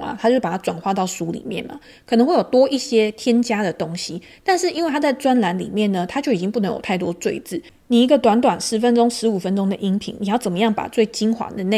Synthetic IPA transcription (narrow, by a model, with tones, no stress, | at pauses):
a̰˨˩t̪ʰa˥t͡ɕo˥˧˥pa˨˩a˥ʈ͡ʂwa˨˩nxwa˥˧t̪ɑ˥˩ʊsu˧˥lḭ˨˩mjɛ̰˥˨˩nmɐ̰˩ə˨˩nə˧˦ŋxwe˥˩jo˨˩ʊt̪wɔ˥ʔi˥˩ɕjɛ˦˥t̪ʰjɛ˥nt͡ɕja˥d̪ə˨t̪o˦˥ŋɕi˨˦ | t̪a˥˧nʂɻ̩˥˩i˥nwe˥˩ɪtʰa˥t͡sa˥˩ɪt͡swa˦˥nla˧˥nlḭ˨˩mjɛ˥˩nə˩t̪ʰa˥t͡ɕjo˥˩ʊi˨˩t͡ɕi˦ŋpu˥˩nə˧˦ŋjo˨˩t̪ʰa˥˩ɪt̪wɔ̰˥t͡swe˥˧ɪt͡sɹ̩˥˩ | ni˨˩i˧˥ɡə˧t̪wa˧˥nt̪̬wa˨˩nʂɻ̩˧˥fə˦nʈ͡ʂo˥ŋʂɻ̩˧˥u˨˩fə˦nʈ͡ʂo˥ŋd̪ə˨ʔi˥ŋpʰḭ˧˦ŋni˨jɑ˥˩ʊt͡sə˨˩nmə˦jɑ˥˩ŋpa̰˨˩t͡swe˥˩ɪt͡ɕi˥nxwa̰˨˦d̪ə˨ne˥˩